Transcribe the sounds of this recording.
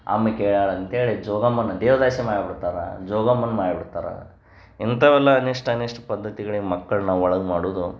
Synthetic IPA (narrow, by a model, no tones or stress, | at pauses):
ɐ̰mːɐkeːɭaːɭɐnt̪eːɭid͡ʒɔːɡɐmːɐnːɐd̪eːʋɐd̪aːʃimaːɽibiɽt̪aːɾɐ̰d͡ʒɔːɡɐmːɐnːɐmaːɽibiɽt̪aːɾɐ̰ | int̪ɐʋɛlːɐːneʂʈɐɐneːʂʈɐpɐd̪ːɐt̪iɡɐɭiɡmɐkːɐɭnaːʋɔɭɐɡmaːɽuːd̪u